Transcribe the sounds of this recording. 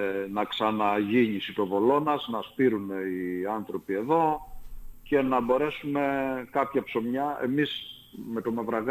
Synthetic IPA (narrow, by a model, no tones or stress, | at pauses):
nɐksɐnɐʝiɲisit̪o̞vo̞lo̞nɐznɐspiɾuneiɐnθɾo̞pie̞ðo̞ | ce̞nɐbo̞ɾe̞sume̞kɐpçɐpso̞mɲɐe̞̰mis | me̞t̪o̞mevɾɐɣ